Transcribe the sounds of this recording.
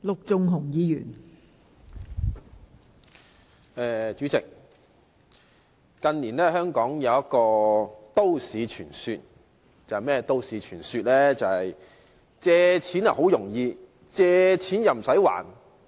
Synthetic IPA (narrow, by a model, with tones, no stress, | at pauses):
lʊ˨k̚t͡sʊ˨ŋɦʊ˨˩ŋjiː˨˧jyː˨˩n | ɛː˨t͡ʃyː˨˥t͡sɪ˨k̚ | ɐ˧nniː˨˩nɛː˥hœː˥ŋkɔː˨˥ŋjɐ˨˧wjɐ˥t̚kɔː˧t̪o˥wsiː˨˧t͡ʃʰyː˨˩nsyː˧t̚ | t͡sɐ˨hɐ˨jmɛː˥t̪o˥wsiː˨˥t͡ʃʰyː˨˩nsyː˧t̚lɛː˥t͡sɐ˨hɐ˨j | t͡sɛː˧t͡sʰiː˨˥nɐ̰˨ho˨˥wjʊ˨˩ŋjiː˧ | t͡sɛː˧t͡sʰiː˨˥njɐ˨˩m̩˩sɐ˨˥jwa̰ː˨˩n